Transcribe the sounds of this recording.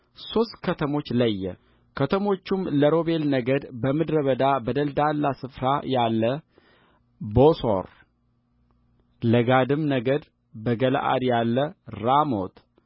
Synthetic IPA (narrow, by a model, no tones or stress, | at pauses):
so̞st̪kʰət̪ʰəmo̞t͡ʃːləjːɛ̰ | kʰət̪ʰəmo̞t͡ʃːumləɾo̞be̞lnəɡəd̪bəmɨd̪ɾəβəd̪abəd̪əld̪alːasɨfɾajalːə | boso̰ɾ | ləɡad̪ɨmnəɡəd̪ | bəɡəl̰ʔa̰d̪jalːəɾamo̰t̪